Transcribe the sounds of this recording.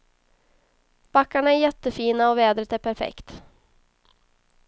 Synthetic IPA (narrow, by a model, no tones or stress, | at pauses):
b̥akːaɳaæɾjɛt̪ːəfiːnaɔveːd̪ɾət̪æɾpʰæɾfɛ̰kt̪